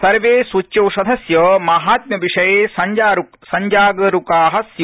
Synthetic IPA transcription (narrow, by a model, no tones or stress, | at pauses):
sɐɾʋeːsʋut͡ʃːjɐwʃɐd̪ʱɐsjɐmaɦaːt̪̚mʲjɐʋiʂɐjeːsɐɲd͡ʒaːɾuksɐɲd͡ʒaːɡɐɾukaːɦɐ̆sj